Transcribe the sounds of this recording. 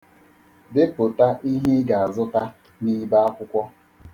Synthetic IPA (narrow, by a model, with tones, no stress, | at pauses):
dɪ˦po˨ta˦ʔi˦ɦɪ˦ɡa˨a˨zʊ˦ta˦ | ni˦ba˦a˦kʷʊ˦kʷɔ˦